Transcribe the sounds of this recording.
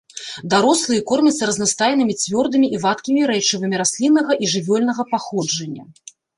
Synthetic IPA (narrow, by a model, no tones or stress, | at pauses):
d̪aɾɔslˠɨjɛkɔrmʲɐt̪sːɐɾɐznast̪ajnɨmʲit͡sʲvʲɔrd̪ɨmʲiʔivat̪kʲimʲiɾɛt͡ʂɨvɨmʲiɾasʲlʲinːɐɣɐʔiʐɨvʲɔlʲnɐɣɐpaxɔd͡ʐɐnʲːɐ̰